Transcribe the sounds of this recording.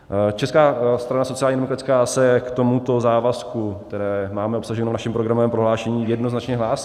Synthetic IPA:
t͡ʃɛskaːst̪ɾanasot͡sɪalɲiːdɛmokɾatt͡skaːsɛkt̪o̞mut̪o̞zaːvaskukt̪ɛɾɛːmaːmɛo̞psaʒɛnovnaʃɛmpɾoɡɾamovɛːmpɾoɦlaːʃɛɲiːjɛdnoznat͡ʃɲɛɦlaːsi̥

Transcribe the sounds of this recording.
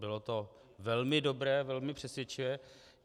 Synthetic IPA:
bɪlot̪o̞ | vɛlmɪdobɾɛːvɛlmɪpr̥ɛsjɛt͡ʃɪvɛː

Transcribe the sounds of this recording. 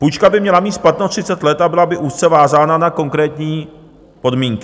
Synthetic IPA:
pujt͡ʃkabɪmɲɛlamiːt̪splat̪not̪r̝̥ɪt͡sɛt̪lɛt̪abɪlabɪʔuːst̪t͡sɛvaːzaːnanako̞ŋkɾɛːt̪ɲiː | po̞dmiːŋkɪ

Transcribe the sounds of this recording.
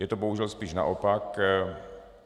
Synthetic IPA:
jɛt̪oboɦuʒɛlspiːʃna̰ʔopak

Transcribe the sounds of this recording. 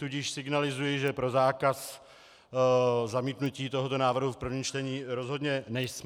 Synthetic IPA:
t̪uɟɪʃsɪɡnalɪzujiʒɛpɾo̞zaːkas | zamiːt̪nuciːt̪o̞ɦot̪o̞naːvr̩ɦufpr̩vɲiːmt͡ʃt̪ɛɲiːɾozɦo̞d̪ɲɛnɛjsm

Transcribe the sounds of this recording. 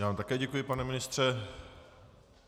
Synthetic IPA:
jaːvaːmt̪akɛːɟɛkujɪpanɛmɪnɪst̪r̥ɛ

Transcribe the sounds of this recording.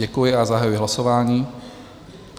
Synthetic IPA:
ɛkujɪazaɦajujɪɦlasoʋaːɲiː

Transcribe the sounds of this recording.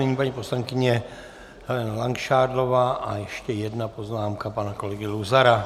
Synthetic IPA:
ɛɲiːpaɲiːposlaŋkɪɲɛ | alɛnalaŋkʃaːdlovaːʔajɛʃcɛjɛd̪napoznaːmkapanakolɛɡɪluzaɾa

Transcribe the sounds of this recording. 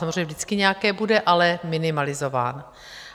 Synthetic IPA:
amozreɲɛvzdɪt͡skɪɲɛakɛːbudɛʔalɛmɪnɪmalɪzo̞va̰ːn

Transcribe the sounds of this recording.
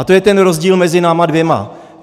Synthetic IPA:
at̪o̞jɛt̪ɛnɾozɟiːlmɛzɪnaːmadvjɛma̰

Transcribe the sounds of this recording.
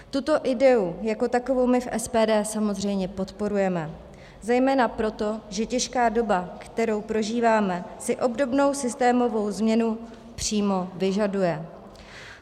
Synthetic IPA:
t̪ut̪o̞ʔɪdɛujako̞t̪ako̞vo̞wmɪfʔɛspɛːdɛːsamo̞zr̝ɛjmɲɛpo̞t̪po̞ɾujɛmɛ | zɛjmɛːnapɾo̞t̪o̞ʒɛcɛʃkaːdo̞bakt̪ɛɾo̞wpɾo̞ʒiːvaːmɛsɪʔo̞bdo̞bno̞wsɪst̪ɛːmo̞vo̞wzmɲɛnu | pr̝̥iːmo̞vɪʒadujɛ

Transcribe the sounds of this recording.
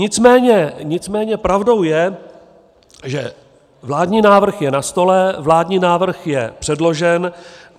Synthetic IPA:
ɲɪt͡smɛːɲɛɲɪt͡smɛːɲɛpɾavdo̞wjɛ | ʒɛ | vlaːdɲiːnaːvr̩xjɛnast̪o̞lɛvlaːdɲiːnaːvr̩xjɛpr̥ɛdlo̞ʒɛn

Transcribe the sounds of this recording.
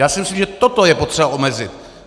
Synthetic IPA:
jaːsɪmɪslimʒɛt̪ot̪ojɛpot̪r̥ɛbaʔomɛzɪt̪

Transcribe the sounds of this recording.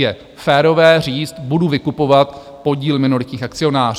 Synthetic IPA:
jɛ | fɛːɾo̞vɛːr̝iːt͡st̪buduvɪkupo̞vat̪ | po̞ɟiːlmɪnuɾɪt̪ɲiːxakt͡sɪo̞naːr

